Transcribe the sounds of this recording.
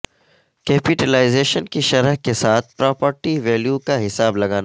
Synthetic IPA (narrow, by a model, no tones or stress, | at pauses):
kɛːpɪʈɛlaːɪzeːʃənkiʃɐɾɦkesaːt̪̚ʰpɾɔːpəɾʈiʋɛːljukaɦɪsaːblɐɡaːna